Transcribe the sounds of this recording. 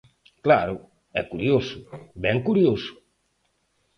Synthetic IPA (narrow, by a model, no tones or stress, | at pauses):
klaɾʊ | ɛ̰kuɾjosʊbɛŋkuɾjosʊ̥